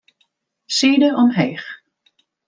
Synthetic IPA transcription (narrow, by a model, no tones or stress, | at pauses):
seːdəʔɔmɦɛjχ